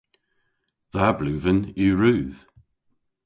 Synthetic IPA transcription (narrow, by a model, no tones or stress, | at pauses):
ðablʉːvənʉːɹʉːð̥